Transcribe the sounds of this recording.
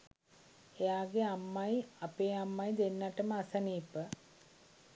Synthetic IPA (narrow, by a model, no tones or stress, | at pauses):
ejaːɡeamːajapeːamːajd̪enːaʈəməasɐniːpə